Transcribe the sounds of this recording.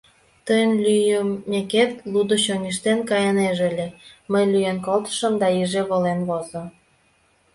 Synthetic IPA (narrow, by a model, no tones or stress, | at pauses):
t̪əjənlyjəmːeket̪lud̪oɕoŋiʃt̪enkɑjɑneʒelʲeməjlyjenkolt̪ə̥ʃəmd̪ɑiʒeβolenβozo